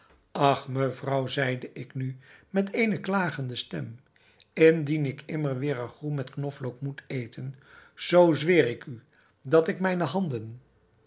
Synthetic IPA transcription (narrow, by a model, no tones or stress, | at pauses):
ɑχməvrɑwzɛjdəʔɪknymɛtejnəklaːχəndəstɛm | ɪndinɪkʰɪməɹʋɪːɹəχrumɛtknɔflowkmutejtʰənz̥owzʋɪːrɪky | dɑtɪkmɛjnəɦɑndən